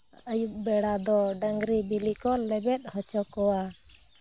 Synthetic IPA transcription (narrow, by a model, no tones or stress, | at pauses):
əjuʔ̚bɛɽad̪ɔɖəŋɡɾibilikɔlɛbɛt̪̚ˀhɔt͡ʃɔkɔwa